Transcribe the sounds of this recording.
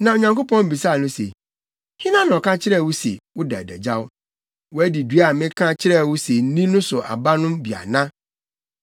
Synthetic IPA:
nã˨o˨ɲã˨ŋko˦pɔ̃˦m˦bi˨sa˦˨nʊ̃˦sḛ˨ | hɪ̃˦nã˦nɔ̃˨kʰã˦t͡ɕʰɪ˦ɾɛ˦˨wʊ˦sḛ˨wʊ˦dæ̰˨dæ̰˨d͡ʑa˦wʊ˦ | wɔ˨˦æ˦di˨dɥa˨mɪ̃˦kʰã˦t͡ɕʰɪ˦ɾɛ˦˨wʊ˦se˨n̩˦nĩ˦nʊ̃˦sʊ˨ʔa̰˨ba˦nʊ̃˦mbi˨a̰˨nã˦

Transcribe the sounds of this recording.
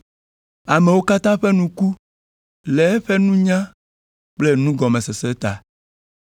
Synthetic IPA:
a˨mẽ˨wo˦ka˦t̪ã˦ɸe˦nũ˦ku˦ | le˨˦ɸe˦nũ˦ɲã˦ | k͡ple˦nũ˦ɡɔ˨mẽ˨se˨se˦t̪a̰˨

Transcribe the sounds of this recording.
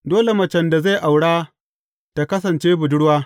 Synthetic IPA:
doː˦le˨mɐ˨t͡ʃɛ˨nda˨za˦˨jʔa˨wɽaː˦ | ta˨kɐ˦s̬ɐ˨nt͡ʃeː˦bʊ˨dʊ˦ɽwaː˦

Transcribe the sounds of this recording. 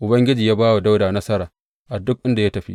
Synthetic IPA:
ʔʊ˨bɐ˦ŋɡʲɪ˦d͡ʒiː˨jaː˦baː˦wa˨da˦wdaː˨nɐ˦sɐ˦ɾaː˨ | ʔa˨dʊ˦k̚ʔɪ˦nda˨ja˦tɐ˨ɸḭ˦

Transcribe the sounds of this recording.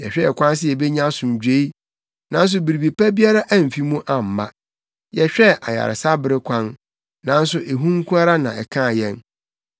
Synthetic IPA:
jɛ̰˨ɕᶣɛ˦ɛ˨kʷʰã˦ns̬ɪ˦ɛ˨be˦ɲã˦sʊ̃˨m˨d͡ʑᶣe˦i˦ | nã˦n˦s̬ʊ˨bi˨ɾi˨bi˨pʰæ˦bi˦a˦ɾa˦ʔæ˦˨m̩˨fi˦mũ˦ʔã˨m̩˨ma̰˦ | jɛ˨ɕᶣɛ˦ʔa˨ja̰˨ɾɪ̰˨sa˦bɪ˦ɾɪ˦kʷʰã˦n | nã˦n̩˦sʊ˨ʔe˨ɦũ˦ŋ˦kʰũ˦a˦ɾa˦nã˨ɛ˨kʰã˦˨jɛ̃˦n

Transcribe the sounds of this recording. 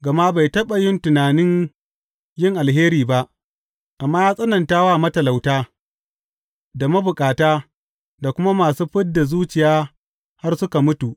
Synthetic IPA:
ɡɐ˨maː˦ba˨jtɐ˦ɓa˨jɪ˦ntʊ˨naː˨nɪ˦ɲ | jɪ˦ŋʔa˨lɦeː˦ɾiː˨ba˦ʔ | ʔa˨mːaː˦jaː˦sʼɐ˦nɐ˨ntaː˦waː˦˨mɐ˦tɐ˨la˨wtaː˦ | da˨mɐ˦bʊ˨kʼaː˨taː˦ | da˨kʷʊ˦ma˦maː˨suː˦ɸɪ˦t̚da˨zuː˦t͡ʃɪ˨jaː˦ | ha˦rsʊ˦ka˨mʊ˦tu˨ʔ

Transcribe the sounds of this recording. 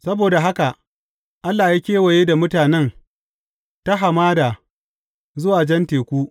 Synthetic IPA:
sɐ˦boː˨da˨ɦa˦ka˨ | ʔa˦lːaː˨jaː˦kʲeː˦wɐ˨jeː˦da˨mʊ˦taː˨nɛ˦n | ta˦ɦa˨maː˦da˨ | zʊ˦waː˨d͡ʒɐ˦nteː˨kʷuː˦

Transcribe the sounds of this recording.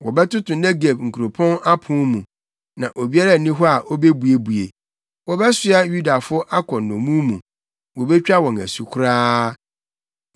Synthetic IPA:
wɔ˨bɛ˦tʊ˦tʰʊ̃˨nɛ˦ɡe˨bŋ̩˨kʰu˨ɾo˨pʰɔ̃˦na˦pʰʊ̃˦mũ˨ | nã˨ʔo˨bi˦a˦ɾa˦˨nĩ˦ɦɔ˦a˨ʔɔ˦be˦bu˨e˨bu˨ḛ˨ | wɔ˨bɛ˦sɪ˦a˦ju˦da˨fʊ˦ʔa˦kʰɔ̃˨n˨nʊ̃˨mũ˦mũ˨ | wɔ˨bɛ˦t͡ɕᶣa˦wɔ̃˨ŋæ̰˨su˨kʰʊ˦ɾaː˦

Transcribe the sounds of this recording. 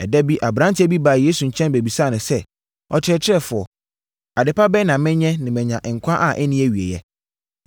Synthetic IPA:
ɛ˨dɛ˦bi˦ʔa˨bɾã˦n˦tʰɪ˦æ˦bi˦baː˨jeː˦su˨ɲ̩˨t͡ɕʰɛ̃˦nbe˨bi˨saː˦˨nʊ̃˨sɛ˦ | ɔ̰˨t͡ɕʰɪ˦ɾɛ˦t͡ɕʰɪ˦ɾɛ˦fʊ˨ɔ˨ | a˨dɪ˨pʰa˦bɛ˦nã˨mɪ̃˦ɲɛ̃˦nɪ̃˨mɛ̃˨ɲã˨ʔɪ˨ŋ̩˨kʷʰã˦ʔa˨ʔɛ˦nĩ˦æ˨ɥi˨ḛ˨jɛ˦

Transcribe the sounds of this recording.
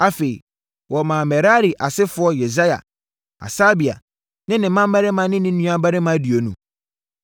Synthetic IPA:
a˨fe˨ḭ˨ | wɔ˨mã˨mɛ˨ɾa˦ɾi˨ʔa˨sɪ˦fʊ˨˦ɔ˦je˨za˦ja̰˨ | a̰˨saː˦bi˨a̰˨ | nɪ̃˦nɪ̃˨˦mã˦m˦æ˦ɾɪ˦mã˨nɪ̃˦nɪ̃˦ũ˦a˨ba˦ɾɪ˦mã˦di˨o˨nṵ̃˨

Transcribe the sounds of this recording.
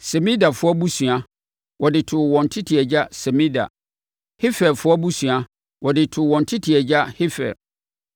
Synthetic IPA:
sɛ˨mĩ˦da˨fʊ˦ɔ˦bu˦sũ˨a˨ | wʔɔ˨dɪ˨tʰʊ˨wɔ̃˨n˨tʰɪ˦tʰi˨ɛ˨d͡ʑa˦sɛ˨mĩ˦da̰˨ | hɪ˦fɛ˨fʊ˦ɔ˦bu˦sũ˨a˦ | wɔ˨dɪ˨tʰʊ˨wɔ̃˨n̩˨tʰɪ˦tʰi˨ɛ˨d͡ʑa˦hɪ˦fɛ̰˨ɾ

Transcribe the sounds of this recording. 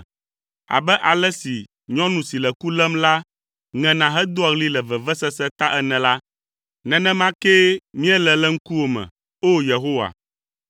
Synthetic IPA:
a̰˨bɛ˦ʔa˨lɛ˦si˨ | ɲɔ̃˦nũ˨si˨lɛ˨ku˦lɛ˦mla˦ | ŋɛ̃˨nã˨ɦɛ˦d̪o˦a˨ɣli˦lɛ˨vɛ˨vɛ˦sɛ˦sɛ˦t̪a˦ʔɛ˦nɛ̃˨la˦ | nɛ̃˨nɛ̃˦mã˦ke˦mĩ˦ɛ˦lɛ˨lɛ˦ŋ̩˦ku˦wo˨mɛ̰̃˨ | o˦je˨ɦo˦wa̰˨

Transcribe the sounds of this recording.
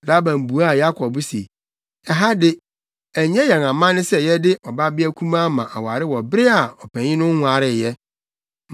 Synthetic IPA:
la˦bã˨m˨bu˨a˦˨ja˦kʰɔ˨bʊ˦sḛ˨ | ɛ˨ɦa˦dɪ˦ | æ˨ɲɛ̃˦jɛ˨ŋã˨mã˦nɪ̃˦sɛ˦jɛ˦dɪ˦ʔɔ˨ba˦bɪ˦æ˦kʷʰũ˦mã˦mã˨ʔa̰˨waː˨ɾɪ˦wɔ˨bɪ˦ɾɪ˦a˨ɔ˨pʰæ̃˨ɲɪ̃˦nʊ̃˦ŋ˦hʊ̃˨a˨ɾɪ˦˨jɛ˦

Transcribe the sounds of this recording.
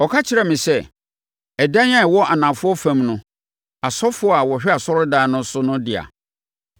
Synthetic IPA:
ɔ˨kʰa˦t͡ɕʰɪ˨ɾa˨mɪ̃˨sɛ˦˨ | ɛ˨dã˦n˦ã˦˨wɔ˦ʔa˨nã˨fʊ˦ɔ˦fã˦mnʊ̃˦ | a˨sɔ˦fʊ˨˦a˨wɔ˨ɕᶣɛ˦a˨sɔ˦ɾʊ˦daː˦nʊ̃˦sʊ˦nʊ̃˦dɪ˨a̰˨

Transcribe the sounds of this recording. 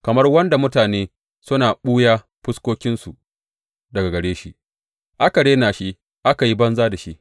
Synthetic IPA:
kɐ˨mɐ˦rwɐ˦nda˨mʊ˦taː˨neː˦ | sʊ˦naː˨ɓuː˦jaː˦ | ɸʊ˦skʷoː˦kʲɪ˦nsu˨ʔ | dɐ˨ɡa˨ɡɐ˨ɽeː˦ʃi˦ʔ | ʔa˦ka˨ɽeː˦naː˨ʃi˦ | ʔa˦ka˨ji˦bɐ˦nzaː˦da˨ʃi˦ʔ

